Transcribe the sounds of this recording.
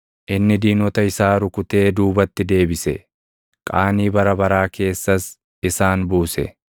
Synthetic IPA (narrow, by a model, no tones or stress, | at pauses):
ʔɪnːɪd̪iːnɔt̪ɐɪsaːɾʊkʊt̪e̞ːd̪uːbɐt̪ːɪd̪e̞ːbɪsɛ | kʼaːniːbɐɾɐbɐɾaːke̞ːsːɐs | ɪsaːnbuːsɛ̰